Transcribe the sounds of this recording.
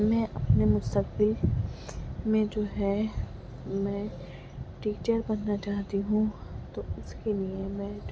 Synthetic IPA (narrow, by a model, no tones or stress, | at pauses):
mɛ̃ʔɐpnemʊst̪əkbɪl | mẽd͡ʒoːɦɛ | mɛ̃ː | ʈiːt͡ʃəɾbɐnːat͡ʃaːɦt̪iɦũt̪oʊskeliemɛ̃ː